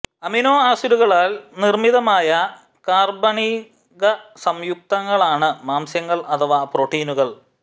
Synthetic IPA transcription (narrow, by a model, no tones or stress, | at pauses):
ɐminoːaːsuɾuɣɐɭaːlnirmiðɐmaːjɐ | kaːrbɐɳi | ɣɐsɐmjuk̚t̪ɐŋːɐɭaːɳɨmaːmsjɐŋːɐɭɐt̪ʰɐʋaːproːʈːiːnuɣɐɭ